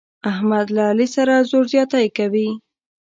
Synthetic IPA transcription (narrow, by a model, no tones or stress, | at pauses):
ahmad̪laːlisaɾazoɾzjɑt̪ajkawi